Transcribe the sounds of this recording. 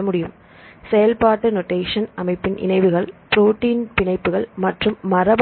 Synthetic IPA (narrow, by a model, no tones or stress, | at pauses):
ɐmʊɽɪjɯm | sɛjɐlpaːʈːɯnoʈːeːʂɐnɐmɐɪpːɪnʔɪ̰nɐɪʋɯɣɐɭpɾoːʈːiːnpɪɳɐɪpːɯɣɐɭmɐʈrɯmːɐrɐb